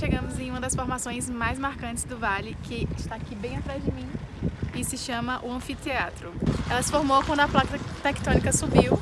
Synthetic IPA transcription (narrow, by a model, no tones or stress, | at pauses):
ʃeɡɐ̃mʊzẽũmɐd̪ɐsfoɾmasõj̃zmajzmaɾkɐ̃t͡ʃɪ̥zd̪ʊvalɪkɪɪʃt̪aakibẽj̃at̪ɾazd͡ʒɪmĩ | ɪsɪʃɐ̃mɐʔʊɐ̃fit̪eat̪ɾʊɛlɐsɪ̥foɾmowkwɐ̃d̪ʊɐplat̪ɐt̪ɛkɪ̥t̪õnikɐsubiw